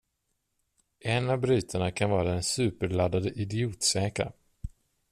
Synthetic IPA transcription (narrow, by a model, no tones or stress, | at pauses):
ʔɛnavbɾyːt̪ʰəɳakʰanvɑːɾaɛnsʉ̟ːpəɾɭad̪ad̪əʔɪd̪ɪuːt̪sɛːka̰ɾ